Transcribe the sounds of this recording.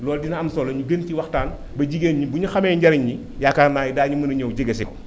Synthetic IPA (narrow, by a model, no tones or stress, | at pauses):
lɔːldinɐɐmsɔlɐɲuɡənciwɐxtaːn | bɐɟiɡeːnɲibuɲuxɐmɛːɲɟɐɾiɲɲi | jakarnaːjidaːɲumɐnɐɲowɟiɡɐsikɔ